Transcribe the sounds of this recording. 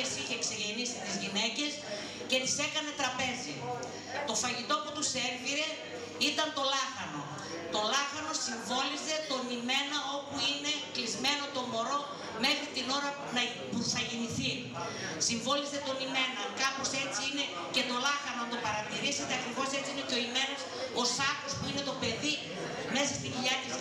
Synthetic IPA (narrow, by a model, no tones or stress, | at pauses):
esiçe̞ːkse̞ʝe̞nisit̪izʝine̞ce̞s | ce̞t̪i̥se̞kɐne̞t̪ɾɐpe̞zi | t̪o̞fɐʝit̪o̞put̪use̞ɾviɾe̞ | it̪ɐnt̪o̞lɐxɐno̞ | t̪o̞lɐxɐno̞siɱvo̞lize̞t̪o̞nime̞nɐo̞puine̞klizme̞no̞t̪o̞mo̞ɾo̞ | me̞xɾit̪ino̞ɾɐ | nɐ | puθɐʝiniθi | siɱvo̞lize̞t̪o̞nime̞nɐkɐpo̞se̞t͡siine̞ | ce̞t̪o̞lɐxɐnoɐnt̪o̞pɐɾɐt̪iɾise̞t̪eɐkɾivo̞se̞t͡ssiineceo̞ime̞nososɐko̞spuine̞t̪o̞pe̞ði | me̞sɐst̪iɟiʎɐt̪i